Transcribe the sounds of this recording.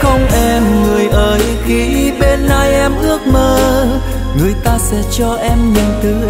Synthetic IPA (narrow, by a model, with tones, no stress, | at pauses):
xə˧wŋ͡mʔɛ˧mŋɨ˨˩əjʔəː˨˦j | xi˧˦ɓe˧nːa˧jʔɛ˧mʔɨ˦˥ək̚məː˧ | ŋɨ˨˩əjt̪aː˧sɛ̰˧˥t͡ɕɔ˧ʔɛ˧mɲɨ˨˩nt̪ɨ˨˦